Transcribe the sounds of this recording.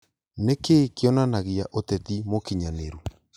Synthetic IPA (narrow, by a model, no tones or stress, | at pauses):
nekekeɔnanaɣiaʔotɛtimokiɲaneɾu